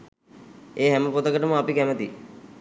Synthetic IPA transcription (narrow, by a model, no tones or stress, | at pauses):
eːɦæməpot̪əkəʈəməapikæmət̪i